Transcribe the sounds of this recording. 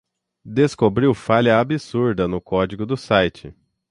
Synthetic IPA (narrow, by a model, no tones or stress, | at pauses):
d̪eskobɾiwfaʎɐabisuɾd̪ɐnʊkɔd͡ʒiɡʊd̪ʊsajt͡ʃɪ